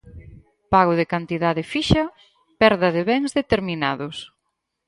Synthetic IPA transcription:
paɣʊðɪkant̪iðaðɪfiʃɐ | pɛɾðɐðeβɛŋzðet̪eɾminaðʊs

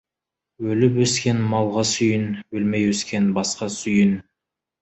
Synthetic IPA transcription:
wɵlɪpwɵskʲe̞nmɑlˠʁɑsʏjənwɵlmejwɵskʲe̞nbɑsqɑsʏjən

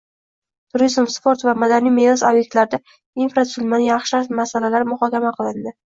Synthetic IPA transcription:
t̪ʰʊɾizmspoɾt̪vamad̪anijmenasobjek̚t̪laɾɪd̪a | infɾat̪sʊlˠmanjɑχʃaʃmasalalaɾɪmʊχɒkʲamaqʰɨlˠɪnd̪ɪ

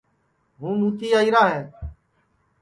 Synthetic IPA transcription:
ɦũːnũːt̪iːaːiːɾaːɦẽː

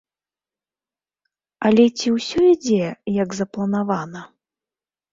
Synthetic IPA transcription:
ɐlʲɛt͡sʲiwsʲɔid͡zʲɛjɐɡzɐplˠɐnavanɐ

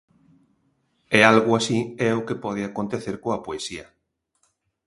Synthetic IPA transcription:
ɛalɣʊasiɛʊkepɔðɪakont̪eθeɾkoapoesiɐ

